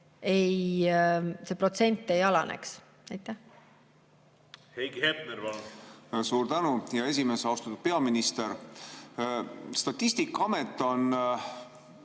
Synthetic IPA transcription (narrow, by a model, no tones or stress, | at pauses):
e̞j | se̞pro̞t̪se̞nʲt̪ːˑe̞jɑlɑ̰nʔḛks | ɑjt̪ːˑæh | hejɡhepneɾvɑ | suːɾt̪ænujɑe̞s̬ʲimesɑwst̪ɑ̥t̪ːud̪̥pe̞ɑminist̪eɾ | st̪ɑt̪ʲːˑist̪ikːˑɑɑmet̪ˑːo̞n